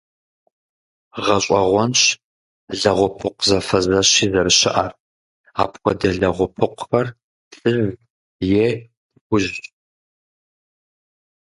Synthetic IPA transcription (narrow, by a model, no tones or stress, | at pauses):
ʁɐɕʼɐʁʷɔnɕ | ɮɐʁʷʊpʰɨqʷzɐfɐzɐɕiːzɐɾɨɕɪʔar | a̰ːpʰkʷʰɔdɐɮɐʁʷʊpʰɨqʷxɐr | ɬʼɨz | jeː | dɡʷʊʒʼ